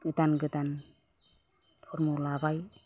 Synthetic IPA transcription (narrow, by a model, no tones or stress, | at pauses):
ɡɯtanɡɯtan | pʰɔɾmɔlabaj